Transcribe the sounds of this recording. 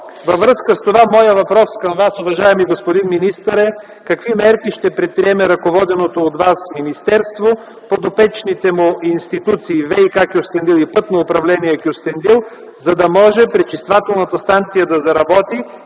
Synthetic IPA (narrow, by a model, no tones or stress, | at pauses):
vɐvɾɤskəst̪ovamɔjəvɐpɾɔskɐmvasʊvɐʒaɛmiɡospod̪inminist̪əɾɛ | kɐkvimɛɾkiʃt̪ɛpɾɛt̪̚pɾiɛmɛɾɐkovɔd̪ɛnot̪oːd̪vasminist̪ɛɾst̪vo | pod̪opɛt͡ʃnit̪ɛmʊinst̪it̪ut̪siːvɛjkakʲʊst̪ɛnd̪ilˠipɤt̪noʊpɾɐvlɛniɛkʲjʊst̪ɛnd̪ilˠ | zɐd̪ɐmɔʒɛpɾɛt͡ʃist̪vat̪ɛlˠnət̪ɐst̪ant̪sijəd̪ɐzɐɾɐbɔt̪i